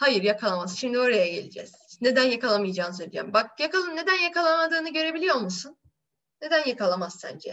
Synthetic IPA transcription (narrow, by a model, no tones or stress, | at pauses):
hajɯɾjakʰalˠamaz̥ʃimd̪io̞ɾajaɟe̞̰lʲid͡ʒɛzne̞d̪ænjakalˠamɯjad͡ʒaːnɯs̬øjlʲijɛ̰mbak̚jakalˠɯmne̞d̪ænjakalˠamad̪ɯːnɯɟø̞ɾe̞bilʲijo̞lˠmusunː | e̞d̪ænjakalˠamaz̥sæ̰nd͡ʒɛ